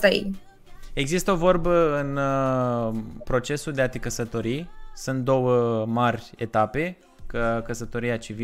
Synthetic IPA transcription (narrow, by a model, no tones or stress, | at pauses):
t̪aḛ | e̞ɡzist̪əo̞vo̞rbəɨn | pɾo̞t͡ʃe̞suld̪eat̪ikəsət̪o̞ɾisunt̪̚d̪o̞wəmarʲ | e̞t̪ape̞ | kəkəsət̪o̞ɾiat͡ʃivi